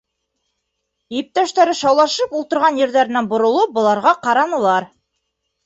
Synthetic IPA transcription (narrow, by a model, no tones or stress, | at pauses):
iɘp̚t̪æʃt̪æɾɘʃɑwlˠɑʃɤpulˠt̪ɤ̆ɾʁɑnjɘ̆ɾðæɾɘ̆nænbŏɾŏlˠɤp̚bŏlˠɑɾʁɑqɑɾɑnɤ̆lˠɑɾ